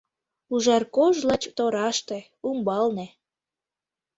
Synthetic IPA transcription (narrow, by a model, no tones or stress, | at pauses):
uʒɑrkoʒlɑt͡ɕt̪oɾɑʃt̪e | umbɑlne